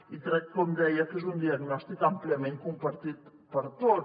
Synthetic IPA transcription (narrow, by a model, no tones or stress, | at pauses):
it̪ɾɛk̚kɔmd̪ɛjakezund̪iaɡnɔst̪ikampliamẽŋkumpaɾt̪it̪ | pəɾt̪o